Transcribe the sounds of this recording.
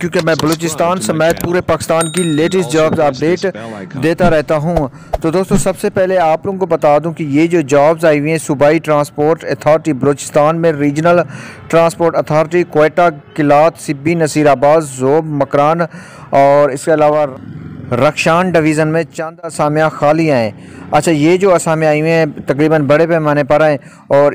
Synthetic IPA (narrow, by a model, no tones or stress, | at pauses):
kjõːkemɛ̃ːbɐloːt͡ʃɪst̪aːnsɐmeːt̪̚puːɾepaːkɪ̥st̪aːnkileːʈɪsʈd͡ʒaːbzaːp̚ɖeːʈd̪eːt̪aɾɛɦt̪aɦũ | t̪oːd̪oːst̪õsɐbsepɛɦleaːploːɡõkobɐt̪aːd̪ũkijed͡ʒoːd͡ʒaːbzaːiwɛ̃sʊbaːiʈɾãːspoːɾʈɐt̪ʰaːɾʈibɐloːt͡ʃɪ̥st̪aːnmẽɾiːd͡ʒnəlʈɾãːnspoːɾʈɐt̪ʰaːɾʈikoeːʈakɪlaːt̪sɪbːinɐsiːɾaːbaːd̪zoːbmɐkɾaːn | ɔːɾɪskeɐlaːʋa | ɾəkʃaːnɖɪʋiːzənmẽt͡ʃɐ̃nd̪ɐsaːmijãxaːliãɛ̃ː | ɐtːʃʰaːjed͡ʒoːɐsaːmĩaːiɛ̃t̪ɐkɾiːbənbɐɽepɛːmaːnepɐɾaɛ̃ː | ɔːɾ